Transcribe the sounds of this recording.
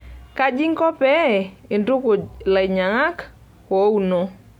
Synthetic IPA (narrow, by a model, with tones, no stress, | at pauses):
ka˦d͡ʒi˦ŋkɔ˦pɛ˦˨ɪ˨ndʊ˦kʊ˨la˨ɲa˨ŋa˦k | ko˨˦u˦nɔ˦